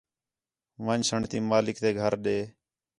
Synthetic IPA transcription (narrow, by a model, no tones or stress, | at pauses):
ʋãːnsəɳt̪iːmaːlɪkt̪eːɡʱəɾɗeː